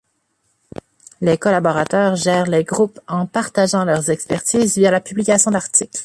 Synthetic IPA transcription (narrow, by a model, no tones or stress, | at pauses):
lekɔlabɔʁat̪œːʁʒɛːʁleɡʁupɑ̃paʁt̪aʒɑ̃lœʁzɛkspɛʁt̪iːzvijalapyblikʲasjɔ̃d̪aʁt̪ikl